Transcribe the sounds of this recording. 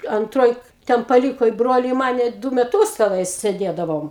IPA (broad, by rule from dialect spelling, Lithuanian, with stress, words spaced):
ɐnˈtroːj ˈtʲɛn pɐˈlʲiːkoː ɪ ˈbroːlʲɪ ɪ ˈmɑːnʲɛ ˈdʊ mʲɛˈtuːs tʲɛˈnɐɪ sʲeːˈdʲeːdɐʋoːm